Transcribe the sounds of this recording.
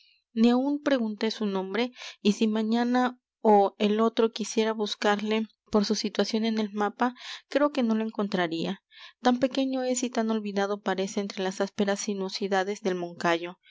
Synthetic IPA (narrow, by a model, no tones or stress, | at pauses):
niaunpɾe̞ɣunt̪e̞sunõ̞mbɾe̞isimãɲana | oelo̞t̪ɾo̞kisje̞ɾaβuskaɾle̞ | po̞ɾsusit̪wasjo̞ne̞ne̞lmapakɾe̞o̞ke̞no̞loe̞ŋko̞nt̪ɾaɾia | t̪ampe̞ke̞ɲo̞e̞sit̪ano̞lβiðaðo̞paɾe̞se̞ːnt̪ɾe̞lasaspe̞ɾasinusiðaðe̞zðe̞lmõ̞ŋkaʝo̞